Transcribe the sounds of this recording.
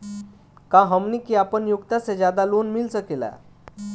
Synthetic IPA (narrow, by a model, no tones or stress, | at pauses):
kãɦəmnikiapənjukt̪asẽd͡ʑjad̪alonmilsəkela̰